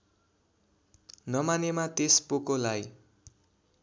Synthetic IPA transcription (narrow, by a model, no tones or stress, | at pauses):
nʌmanemat̪espokolaj